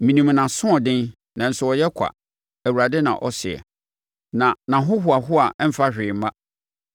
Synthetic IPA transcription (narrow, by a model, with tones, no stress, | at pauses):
mĩ˨nĩ˨m˨nã˨sʊ̃˦ɔ˨dɪ̃˦n | nã˨n̩˨sʊ˨ɔ˨jɛ˦kʰa̰˨ | æ˨wu˨ɾa˨dɪ˦nã̰˨ʔɔ˦sɪ˨ɛ̰˨ | nã˨nã˨ɦʊ˦ɦʊ˨a˨ɦʊ˦a˨ɛ˦m̩˨fa˦ɕᶣɪː˨m̩˨˦mã˦